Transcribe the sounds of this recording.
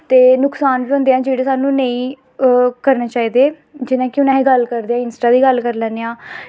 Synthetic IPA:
t̪eːnʊksaːnbiə̃nd̪eãːd͡ʒeːɽeːsaːnũːnẽːĩː | kəɾneːt͡ʃaːiːd̪eː | d͡ʒɪnãːkɪʊnãːɦẽːɡəlkəɾd̪eːãːɪnsʈaːd̪iːɡəlkəɾlɛːnːeːãː

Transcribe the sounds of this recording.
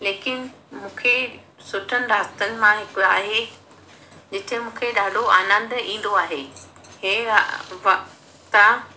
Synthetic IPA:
leːkɪnɪ̆ | mũːkʰe | sʊʈʰənɪ̆ɾaːst̪ənɪ̆mãɦɪkaːɦe | d͡ʑɪt̪ʰɦmũːkʰeɗaːɖʱoaːnə̃nd̪ĩːn̆d̪oaːɦeːɦeːʋɐ | t̪a

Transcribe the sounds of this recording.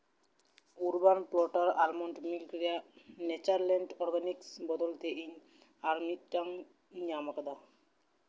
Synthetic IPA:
uɾbanplɔʈaɾalmɔɳʈmilkɾianɛt͡ɕaɾlɛɳʈɔɾɡaniksbɔd̪ɔlt̪ʰeʔiɲ | aɾmiʈːaŋ | ɲamakad̪a

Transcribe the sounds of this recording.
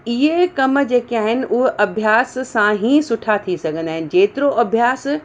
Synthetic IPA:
iɦekɐmd͡ʑeːkeaːɦɪnɪ̆ʔʊɦɐbʱjaːssãɦĩsʊʈʰat̪ʰisɐɡʱə̃nd̪aːɦɪnɪ̆d͡ʑeːt̪ɪɾoʔɐbʱjaːs

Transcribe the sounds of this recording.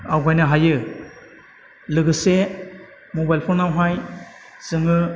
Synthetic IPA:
awɡajnɯɦajɯ | lɯɡɯse | mobajlpʰɔɾnawɦaj | sɯŋɯ

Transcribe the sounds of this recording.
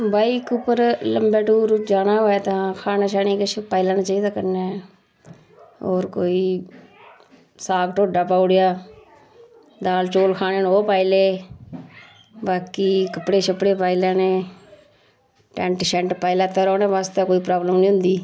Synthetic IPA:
baːikʊpːəɾləmbɛːʈuːɾd͡ʒaːnaːɦoːɛːt̪ãːkʰaːnaːʃaːneːkɪt͡ʃʰpaːɪlaːnaːt͡ʃaːiːd̪aːkəɾnɛː | oːɾkoːiː | saːkʈoːɖaːpaːʊɽejaː | d̪aːlt͡ʃoːlkʰaːneːnoːpaːileː | baːkiːkəpɽeːt͡ʃʰəpɽeːpaːilaːneː | ʈɛ̃ɳʈsɛ̃ɳʈpaːɪlaːt̪aːɾoːnẽːʋaːst̪ẽːkoːiːpɾaːbləmnĩːɦʊ̃nd̪iː

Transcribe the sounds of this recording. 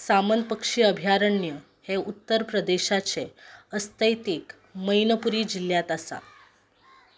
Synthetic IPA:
samənpəkʂiːəbʱjaɾəɳjə | heut̪ːəɾpɾəd̪eɕat͡seəst̪əjt̪iːk | məjnəpuɾiːd͡ʑiljat̪asa̰

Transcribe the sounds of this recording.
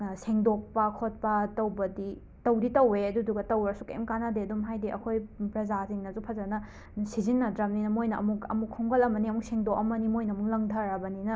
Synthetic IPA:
seŋdok̚pɐkʰot̚pɐtɐwbɐdi | tɐwditɐweɐduduɡɐtɐwɐɾɐsu̥kɐḭmkanadeɐdumɦajdiʔɐ̰kʰojpɾɐzasiŋnɐzupʰɐzɐnɐ | sizinːɐdɾɐmninɐmojnɐʔɐ̰mukɐ̰mukʰɔŋɡɐlɐmɐniɐmuk̚seŋdok̚ɐmɐnimojnɐɐmuklɐŋdʰʱɐɾɐbɐninɐ

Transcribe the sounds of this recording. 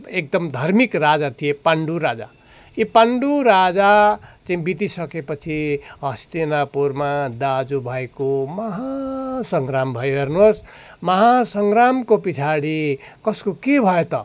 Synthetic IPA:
ek̚d̪ʌmd̪ʱʌrmikrad͡zat̪ʰijepaɳɖuɾad͡za̰ | ipaɳɖuɾad͡zat͡saĩbit̪isʌkepʌt͡sʰiɦʌst̪enapuɾmad̪ad͡zubʱʌjkomʌɦasʌŋɡɾambʱʌjɦernos | mʌɦasʌŋɡɾamkopit͡sʰaɽikʌskokebʱʌet̪ʌ̰

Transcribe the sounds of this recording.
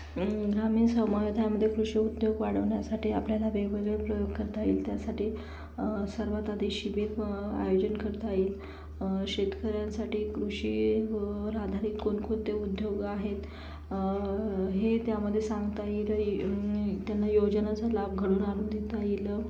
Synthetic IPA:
ɡɾamiːnsəmajod̪ʱajaməd̪ʱjekɾuʂiud̪ʱjoɡʋaɽ̤əʋɳjasaʈiːa̰pljalaʋeɡʋəɡeɭepɾəjoɡ̚kəɾt̪aḭːlt̪jasaʈiː | səɾʋat̪ad̪ʱiɕibeta̰jod͡ʑənkəɾt̪aiːl | ɕet̪kəɾjansaʈiːkɾuɕi | ɾad̪ʱaɾiːkːonkont̪eud̪joɡaɦet̪ | ɦet̪jaməd̪ʱːjesaŋɡt̪ajilə | t̪janːajod͡ʑnat͡salab̚ɡʱəɽuːnaluːnd̪it̪ajilə

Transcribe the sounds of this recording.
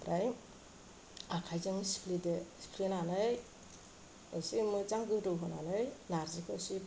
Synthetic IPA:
ɾaj | akʰajzɯŋsi̥pʰlidesi̥pʰlinanɯj | ɯsimɯzaŋɡɯdɯɦɔnanɯjnaɾzikʰɯsi

